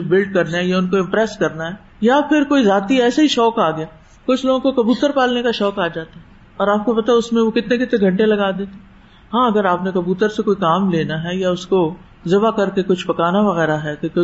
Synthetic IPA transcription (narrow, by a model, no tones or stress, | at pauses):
bɪlɖ̚kɐɾneɦɛjaʊnkoɪ̃mpɾɛːskɐɾnaɦɛː | japʰɪɾkoːizaːt̪iɛːsaɦiʃɔːkaːɡɪjaː | kʊt͡ʃʰloːɡõkokɐbuːt̪əɾpaːlnekaʃɔːkaːd͡ʒaːt̪aɦɛ | ɔːɾaːp̚kopɐt̪aɦɛʊsmẽʋokɪt̪nẽkɪt̪nẽɡʱɐ̃ɳʈelɐɡaːd̪eːt̪e | ɦãːɐɡəɾaːpnekɐbuːt̪əɾsekoːikaːmleːnaɦɛjaʊsko | zɪʋakɐɾkekʊt͡ʃʰpɐkaːnaʋɐɣɛːɾaɦɛːkok